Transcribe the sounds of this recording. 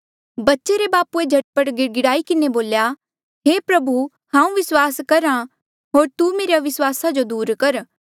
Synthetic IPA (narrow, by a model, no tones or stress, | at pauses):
bɐtːʃeɾebaːpued͡ʒʱɐʈpəʈɡɪɡɪɽaːikɪneboːlja | ɦeːpɾɐbʱu | hãːũʋɪswaːskɐɾã | ɦoːɾt̪umeːɾjaʋɪswaːsad͡ʒod̪uːɾkɐɾ